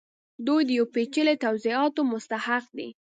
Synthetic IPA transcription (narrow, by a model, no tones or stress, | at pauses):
d̪ojd̪əjawpet͡ʃəlet̪awziɑt̪omʊst̪ahaqd̪ḭ